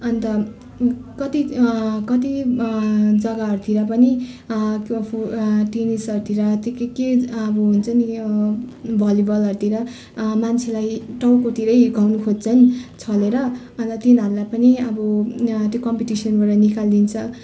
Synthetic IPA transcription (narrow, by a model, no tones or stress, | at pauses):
ʌnt̪ʌ | kʌt̪ikʌt̪i | d͡zʌɡaɦʌɾut̪ʰiɾʌp̬ʌni | puʈinisʌɾut̪ʰiɾʌt̪kkeʌbʌɦunt͡sʰʌni | bʱʌlibʌlʌɾut̪iɾʌ | mant͡sʰelajʈawkot̪ʰiɾʌjɡʱawnukʰod͡zt͡sʰʌnt͡sʰʌleɾʌ | ʌnt̪ʌt̪inʌɾlapʌniʌbʌt̪jokʌmpiʈisʌnbʌɾʌnikald̪int͡sʰʌ